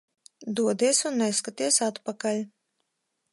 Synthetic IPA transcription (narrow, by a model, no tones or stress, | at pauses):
d̪uɔd̪iɛsunːɛskat̪iɛsat̪pakalʲ